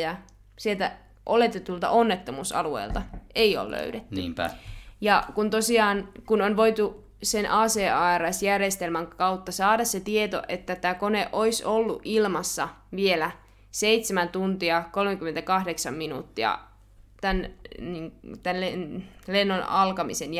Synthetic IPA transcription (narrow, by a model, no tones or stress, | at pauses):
jɑ | sielt̪æ | ʔolet̪ːet̪ult̪ɑ̰ʔonːet̪ːomusɑ̰luḛilt̪ɑʔeio̰llø̰ydet̪ːnyːæ̰jɑkunt̪osiɑːnkunonʋoit̪u | senʔɑːseːɑːærɑsjærjest̪elmæŋkɑut̪ːɑsɑːdɑsset̪iet̪o̰ʔet̪ːæt̪æːkoneʔoisolːṵʔʔilmɑsːɑʋielæ | seit̪semænt̪unt̪iɑkolmekymːent̪ækɑhdeksɑmminṵt̪ːiɑ̰ | t̪ænniːŋt̪ænlenlenːonɑlkɑmḭsen